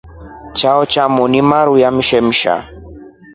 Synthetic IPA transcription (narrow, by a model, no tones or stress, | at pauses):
t͡ʃaɔt͡ʃamɔnimaɾujam̩ʃɛm̩ʃa̰